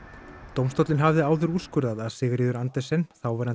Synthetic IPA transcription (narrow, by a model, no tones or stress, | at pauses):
t̪owmst̪ɔwt̪lɪnɦavðɪaːwðʏɾuːskʏɾðaðaðsɪːɣɾɪːðʏɾant̪ɛsɛnθawvɛɾan